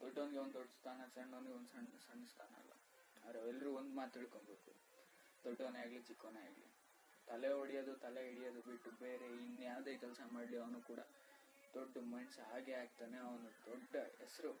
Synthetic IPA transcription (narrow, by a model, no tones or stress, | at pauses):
d̪̥oɖːonɡeond̪d̪ɔɖːɐst̪ʰaːnɐsɐɳːond̪ɡeond̪sɐɳsɐɳːɐst̪ʰaːnɐɐ̰lʋɐ̰ | ɐːd̪ɾɐʋɛlːɐɾuːond̪maːt̪ːiɭkoɳbe̞ːkṵ | d̪ɔɖːɐnaːɡlit͡ʃikːoːneaːɡlḭ | t̪ɐleoɽijɐd̪ut̪ɐleiɽijɐd̪ubiʈːube̞ːɾe̞inujaːʋd̪eːkɛlsɐmaːɽliɐʋɐnuːkuːɽɐ | d̪̥oɖːumɐnsɦaːɡeaːɡ̚t̪aːne̞ɐʋɐnud̪ɔɖːɐɛsɐɾu